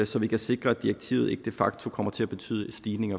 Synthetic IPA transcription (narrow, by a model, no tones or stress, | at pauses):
sɒ̽ʋikʰæse̝ɡ̥ʁɐæd̥iɐɡ̥̚t͡sʰḭːʊð̩ˠe̝ɡ̥əd̥e̝fɑ̈ɡ̥̚t͡sʰo̝kʰɒ̽m̰ɐt͡sʰe̝læb̥e̝t͡sʰy̰ːðˠəsd̥iːne̝ŋɐ